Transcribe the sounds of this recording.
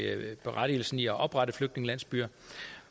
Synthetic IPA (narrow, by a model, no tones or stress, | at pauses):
b̥e̝ʁaɾ̥ḭːl̩sn̩iɒʔɒ̽b̥ʁɑ̈ɾəfløɡ̥̚dne̝ŋəlæn̰sb̥yːɐ